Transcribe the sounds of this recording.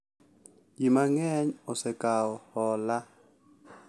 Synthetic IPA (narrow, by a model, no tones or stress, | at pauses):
jimaŋɛɲɔsɛkʼawɔhɔːla